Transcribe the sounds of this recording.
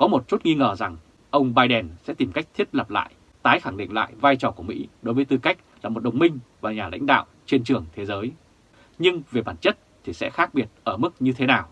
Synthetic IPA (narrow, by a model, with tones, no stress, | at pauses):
kɔ˨˦mo˨˩t̚t͡ɕu˦˥t̚ŋi˧ŋəː˧˩za˨˩ŋ | ʔə˧wŋ͡mɓaː˧jɗɛ˨˩nsɛ̰˧˥t̪i˨˩mka˦˥jk̚t̪ʰi˦˥ət̚lə˨˩p̚la̰ː˧˨j | t̪aː˨˦jxa˧˩ŋɗḭ˧˨ŋ̟la̰ː˧˨jvaː˧jt͡ɕɔ˨˩ku˧˩mḭ˧˥ɗo˨˦jvːjt̪ɨ˧ka˦˥jk̟̚laː˨˩mo˨˩t̚ɗə˨˩wŋ͡mmï˧ŋ̟vaː˨˩ɲaː˨˩la̰˧˥jŋ̟ɗa̰ː˧˨wt͡ɕe˧nt͡ɕɨ˨˩əŋt̪ʰe˨˦zəː˨˦j | ɲɨ˧ŋve˨˩ɓaː˧˩nt͡ɕə˦˥t̚t̪ʰi˨˩sɛ̰˧˥xaː˦˥k̚ɓi˨˩ət̚ʔəː˧˩mɨ˦˥k̚ɲɨ˧t̪ʰe˨˦naː˨˩w